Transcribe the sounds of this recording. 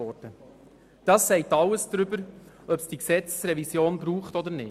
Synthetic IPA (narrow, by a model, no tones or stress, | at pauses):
ɔdə | d̥ɑːsːɛɪtɑwəsd̥̪ɾʏbəɾ | œpsd̥iksɛt͡ssɾɛvisjoːnbɾuːχtɔd̪əɾnɪː